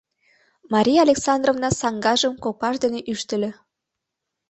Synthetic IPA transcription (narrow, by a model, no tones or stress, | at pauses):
mɑɾʲijɑːlʲeksɑnd̪rovnɑsɑŋɡɑʒəmkopɑʃd̪eneʔyʃt̪ə̆lʲø̆